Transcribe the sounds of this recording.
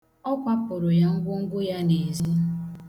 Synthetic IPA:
ɔ˦kʷa˦pʊ˨ɾʊ˨ja˦ŋ̩˦ɡʷʊ˦ŋ̩˦ɡʷʊ˦ja˦ne˨zi˦

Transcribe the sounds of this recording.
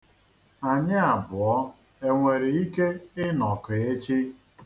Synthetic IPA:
a˨ɲɪ˦a˨bʊ˨ɔ˦ | e˨ŋʷe˨ɾe˨i˦ke˦ɪ˦nɔ˨ke˨e˦t͡ʃi˦

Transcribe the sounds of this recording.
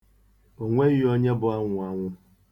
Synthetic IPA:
o˨ŋʷe˦ɣɪ˦o˦ɲe˦bʊ˨a˦ŋʷʊ˨a˨ŋʷʊ˦

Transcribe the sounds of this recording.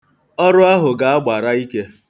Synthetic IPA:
ɔ˦ɾʊ˦a˦ɦʊ˨ɡa˨a˦ɡ͡ba˨ɾa˦i˦ke˦

